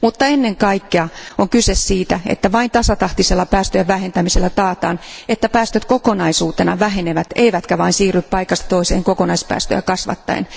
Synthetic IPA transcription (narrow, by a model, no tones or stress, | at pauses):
mut̪ːɑenːeŋkɑikːeɑoŋkysessiːt̪æḛt̪ːæʋɑint̪ɑsɑt̪ɑht̪iselːɑpæːst̪øjæʋʋæhent̪æmiselːæt̪ɑːt̪ɑ̰ːnet̪ːæpæːst̪øt̪kokonɑisuːt̪enɑʋæɦeneʋæt̪eiʋæt̪kæʋɑinsiːryppɑikɑst̪ɑ̥t̪oisḛːŋkokonɑispæ̰ːst̪ø̰jɑkɑsʋɑ̰t̪ːɑ̰ḛn